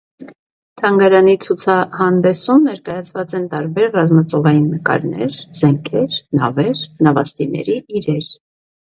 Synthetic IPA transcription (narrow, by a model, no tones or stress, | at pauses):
t̪ʰɑŋɡɑɾɑnit͡sʰut͡sʰɑhɑnd̪ɛsumnɛɾkɑjɑt͡sʰvɑt͡sɛnt̪ɑɾbɛɾrɑzmɑt͡sɔvɑjinːəkɑ̰ɾnɛ̰ɾz̥ɛŋkʰɛɾnɑvɛɾnɑvɑst̪inɛ̰ɾiiɾɛɾ